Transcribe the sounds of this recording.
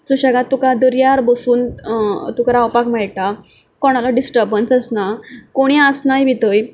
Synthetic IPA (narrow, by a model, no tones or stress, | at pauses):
t͡suɕaɡat̪ːukad̪əɾjaɾbəsuːnt̪ukaɾaawpakmaɭʈa | kɔɽ̃alaɖisʈəɾbənsəsnakoɽ̃iəsnajbʱit̪əj